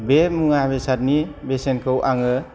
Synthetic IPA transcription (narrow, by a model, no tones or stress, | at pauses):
bemuŋabesat̚nibesenkʰɯwʔaŋɯ